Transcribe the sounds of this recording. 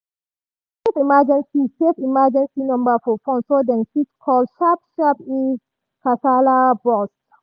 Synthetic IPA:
sefimad͡ʒɛ̃nsisefimad͡ʒɛ̃nsinɔ̃mbafɔfɔ̃nsodɛ̃nsitkʰɔlʃap̚ʃape | kasalabɔs

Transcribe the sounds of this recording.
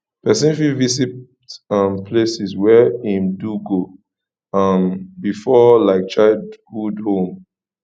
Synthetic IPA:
pɛsĩnfivisi | tãmpʰlesiswɛĩmduɡo | ãmbifɔlaɪk̚t͡ʃaɪdɡudhõm

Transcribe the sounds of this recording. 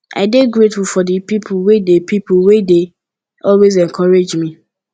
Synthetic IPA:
ʔa̰ɪdeɡɹetfulfɔdəpipʰʊlwedepʰipʊlwede | ɔlwezɛ̃nkʰɔɹed͡ʒmi

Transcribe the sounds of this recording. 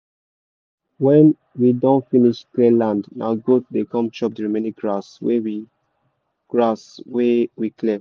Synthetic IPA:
wɛ̃n | widɔ̃nfiniʃklelãndna̰ʊɡot̚dekʰɔ̃mt͡ʃɔp̚dəɹimeniɡɹaswewi | ɡ̥ɹaswewikʰle

